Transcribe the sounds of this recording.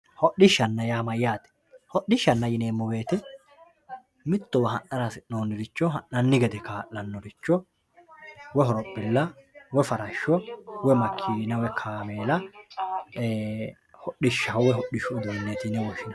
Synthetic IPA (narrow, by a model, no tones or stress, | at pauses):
hɔɗɪʃːɐnːɐjaːmɐjːaːt̪ɛ̥ | hɔɗɪʃːɐnːɐjɪneːmːɔbe̞ːt̪ɪ | mɪt̪ːɔwɐɦɐnːɐɾɐsnoːnːɪɾɪt͡ʃːɔɦɐnːɐnːɪɡɛd̪ɛkaːʔːɐnːɔɾɪt͡ʃːɔ | wɛɦɔɾɔpːɪlːɐwɛfɐɾɐʃːɔwɛmɐkʰːiːnɐwɛkʰaːmeːlɐ | hɔɗɪʃːɐɔwɛɦɔɗɪʃʊːd̪unːɛt̪inɛwɔʃɪnɐ